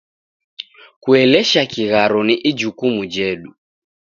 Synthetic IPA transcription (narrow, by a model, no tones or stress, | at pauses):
kuɛlɛʃakiɣaɾɔniʔid͡ʒukumud͡ʒɛɗu